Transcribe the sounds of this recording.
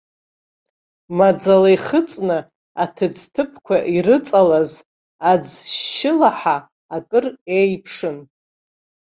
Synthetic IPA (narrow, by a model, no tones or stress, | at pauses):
mad͡zalajχət͡sʼnɨ | atʰɨd͡ztʰɨpʰkʷʰaʔiɾɨt͡sʼalaz | ad͡zʃɪlaħaː | kʼɨrejpʰʂɨn